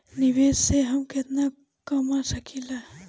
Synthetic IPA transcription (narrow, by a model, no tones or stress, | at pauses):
niʋeːsseɦəmket̪na | kəmasəkʰila